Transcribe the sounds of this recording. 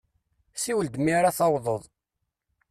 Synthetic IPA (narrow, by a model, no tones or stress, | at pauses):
siwəld̪miɾaθɑwðˤəðˤ